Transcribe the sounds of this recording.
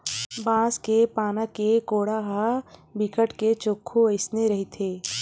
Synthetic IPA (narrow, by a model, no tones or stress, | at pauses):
bãːskepaːnakekoːɽaɦabikəʈket͡ʃokʰːoəɪsneɾɐɦit̪ʰeː